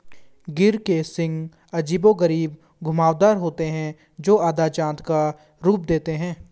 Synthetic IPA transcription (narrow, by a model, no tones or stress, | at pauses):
ɡɪɾkesɪ̃ŋɡ | ɐd͡ʒiːboɡəɾiːb | ɡʱʊmaːʋd̪aːɾɦoːt̪eɦɛ̃ | d͡ʒoːaːd̪at͡ʃãːt̪ka | ɾuːp̚d̪eːt̪eɦɛ̃ː